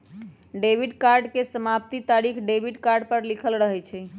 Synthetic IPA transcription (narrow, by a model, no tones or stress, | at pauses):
ɖebiɖkaɾɖkesəmap̚t̪it̪aɾikʰɖebiɖkaɾɖpəɾlikʰəlɾəɦɛt͡ʃʰɛ